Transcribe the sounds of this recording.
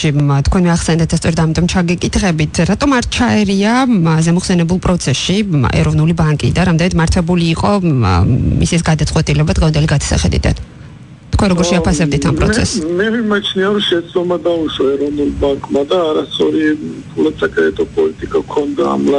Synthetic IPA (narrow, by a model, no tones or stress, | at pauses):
it̪ʰkwɛnmɛaχsɛnd̪ɛt̪̚d̪ast̪sʼɔɾɛd̪amit̪ʼɔmt͡ʃʰaɡɛkʼit̪ʰχɛbit̪ʰɾat̪ʼɔmaɾt͡ʃʰaɛɾiazɛmɔχsɛnɛbulˠpʼɾɔt̪sʰɛsʃiɛ̰ɾɔvnulibaŋkʼḭd̪aɾamd̪ɛnɛt̪maɾt̪ʰwɛbuliːqʼɔ | mḭsisɡad̪at̪sʼqʼwɛt̪ʼilɛbad̪ʁɛvand̪ɛliɡad̪ḁsa̰χɛd̪ḭd̪a̰n | t̪ʰkʰwɛɾɔɡɔɾʃɛapʰasɛb̚d̪it̪ʰampʼɾɔ̰tsʰɛ̰smɛvimat͡ʃʰniaɾɔʃɛt̪sd̪ɔmad̪auʃaɛɾɔvnulˠbaŋkʼmad̪aːɾast̪sʼɔɾit̪ʰulat̪sakʰʼɾɛt̪ʼɔpʼɔlit̪ʼikʼakʰɔnd̪a̰mla